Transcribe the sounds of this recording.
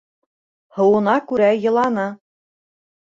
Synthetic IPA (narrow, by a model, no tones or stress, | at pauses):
hɤ̆wɤ̆nɑkʉɾæjɤ̆lˠɑnɤ